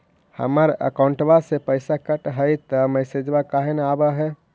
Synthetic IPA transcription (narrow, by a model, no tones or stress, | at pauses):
hə̰məɾə̰kauɳʈbasepəɪsakəʈɦəjt̪əmɛsed͡ʒbakaɦenabəɦɛ